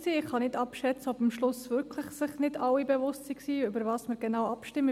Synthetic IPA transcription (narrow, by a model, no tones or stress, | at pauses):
siːɪχhɑnɪdɑpʃɛt͡səɔbəmʃlʊsʋʏɾkʰləχsɪχnɪdɑwibevʊstsiksiːʏbəɾvɑːsməɾɡ̥enawɑpʃtɪmːə